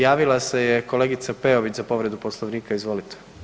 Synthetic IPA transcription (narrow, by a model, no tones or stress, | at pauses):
jaːʋilˠase̞jeko̞le̞ɡit̪sape̞oʋit͡ɕzapo̞ʋɾed̪uposlˠoʋniːkaizʋo̞lit̪ʰe̥